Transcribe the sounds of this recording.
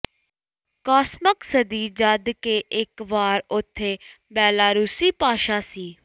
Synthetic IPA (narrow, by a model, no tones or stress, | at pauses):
kaːsməksəd̪iːd͡ʒəd̪keːʔɪkʋaːɾʊt̪ʰːeː | bɛːlaːɾuːsiːpaːʃaːsiː